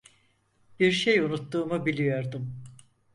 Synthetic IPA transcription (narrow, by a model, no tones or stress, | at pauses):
b̥iɾʃejunut̪ːuːmubilʲijo̞ɾd̪um